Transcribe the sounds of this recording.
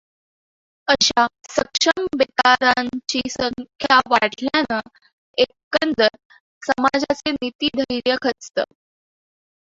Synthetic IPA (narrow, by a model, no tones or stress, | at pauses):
əɕasəkʂəmbet̪aɾaɲt͡ɕisəŋkʰjaʋaʈʰljana | ekːənd͡zəɾ | səmad͡zat͡senit̪iːd̪ʱəjɾjəkʰət͡st̪ə̰